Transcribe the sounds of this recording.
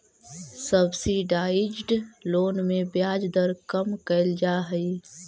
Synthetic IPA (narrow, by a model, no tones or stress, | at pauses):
səbsiɖaːɪd͡ʒɖloːnmẽbjaːd͡ʒd̪əɾkəmkəld͡ʒaːɦəi